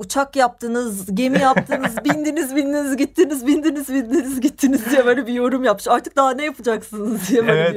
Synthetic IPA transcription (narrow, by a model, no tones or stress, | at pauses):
ut͡ʃʰakjap̚t̪ʰɯnɯzɟe̞mijapt̪ʰɯnɯzbind̪inizbind̪inizɟitt̪ʰːinizbind̪inizbind̪inizɟit̪ʰːinizd̪ijebelibijo̞ɾumjap̚ɯʃaɾt̪ʰɯk̚d̪aɦanɛjapʰɯd͡ʒaksɯnɯzd̪ijebe